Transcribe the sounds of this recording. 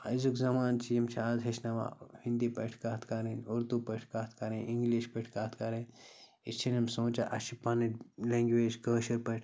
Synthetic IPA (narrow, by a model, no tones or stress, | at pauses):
ɐzukzɐmaːnt͡ʃijimt͡ʃʰaːzɦeʃnɐʋa̰hĩnd̪ipɐʈʰkaːt̪ʰkɐɾĩnuɾt̪upɐʈʰkaːt̪ʰkɐɾẽʔiŋɡliʃpɐʈʰkaːt̪ʰkɐɾẽ | it͡ʃʰinɐmsõːt͡ʃaʔɐʃipɐnilẽːŋɡʋeːd͡ʒkɐːʃɐɾpɐʈʰ